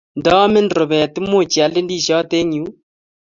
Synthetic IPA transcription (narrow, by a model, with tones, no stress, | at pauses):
ndɔ˦mɪ˦ndɾo˨βɛ˨tɪ˦mo˦˨t͡ʃi˨a˨lɪ˦ndi˦˨ʃɔ˦te˦ɲu˨˦